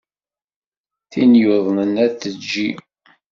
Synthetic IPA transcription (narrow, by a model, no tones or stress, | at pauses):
θinjoðˤnənæθəd͡ʒːi